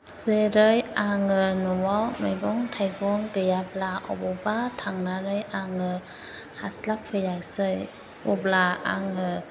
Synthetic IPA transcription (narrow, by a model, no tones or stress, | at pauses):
sɯɾɯjaŋɯnɔwawnɔjɡɔŋtʰajɡɔŋɡɯjablaʔɔ̰bɔbatʰaŋnaɾɯjaŋɯ | haslap̚ʰːɯjaksɯj | ɔblaa̰ŋɯ